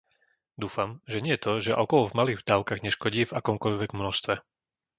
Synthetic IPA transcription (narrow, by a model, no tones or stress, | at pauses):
d̪uːfamʒɛɲɪɛt̪ɔʒɛʔɔkɔlvmaliːd̪aːʊkaɣɲɛʃkɔɟiːvakɔmkɔʎʋɛɡmnɔʃst̪ʋɛ